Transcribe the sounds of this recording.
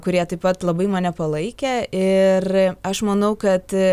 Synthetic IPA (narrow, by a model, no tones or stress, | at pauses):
kʊɾʲiɛt̪ɐɪpɐt̪lˠɐbɐɪmɐːnʲɛpɐlˠɐɪkʲɛɪrɐʃmɐnɐʊkɐt̪